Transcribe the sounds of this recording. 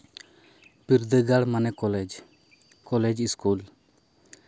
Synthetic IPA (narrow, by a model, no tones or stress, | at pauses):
piɾd̪əɡaɽmanɛkɔlɛd͡ʒ | kɔlɛd͡ʒiskul